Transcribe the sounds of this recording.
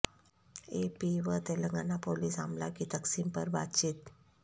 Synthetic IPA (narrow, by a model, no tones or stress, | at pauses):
epiʋət̪eləŋɡanapoliːsa̰mlakit̪əksimpəɾba̰t͡ɕiːt̪